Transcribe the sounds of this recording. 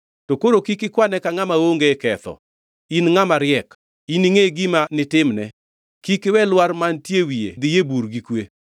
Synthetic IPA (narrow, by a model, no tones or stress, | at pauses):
tokoɾokikɪkwanɛkaŋamaoŋɡekɛt̪ɔ̰ | inŋamaɾjɛk | iniŋeɡimanɪtɪmnɛ | kikɪwɛlwaɾmantjewiḛd̪ɪjebuɾɡikwe